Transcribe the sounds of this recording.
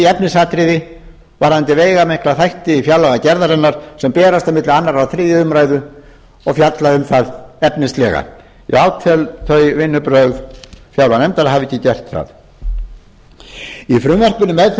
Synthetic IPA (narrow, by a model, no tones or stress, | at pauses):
iɛpnɪsat̪ɾɪðɪ | vaɾ̥ant̪ɪveːjɣamɛhklaθajht̪ɪifjawlaɣacɛɾðaɾɛnːaɾ̥sɛmpɛːɾast̪amɪt̪lɪanːaɾawθɾiːðʏʏmɾaːjðʏ | ɔɣfjat̪laðʏmθaðɛpnɪst̪lɛɣa̰ | ḭaːwt̪ʰɛlθœjvɪnːʏpɾœɣðfjawlanɛmt̪aɾhavɛcːɪcɛr̥t̪θa̰ð | ifɾʏmvɛr̥pʏnʏmɛðθ